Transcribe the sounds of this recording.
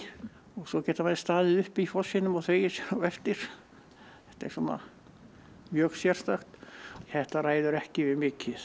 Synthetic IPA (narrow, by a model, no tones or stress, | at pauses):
ɔɣsɔcɛːt̪amaðst̪aːðɪðʏhpiifɔsɪnʏmɔθveːjɪsjɛnawɛft̪ɪɾ̥ | θɛht̪aɛ̰ɾ̥sunːa̰ | mjœksjɛr̥st̪axt̪θɛht̪araːjðʏɾɛhcɪvɪðmɪːcɪð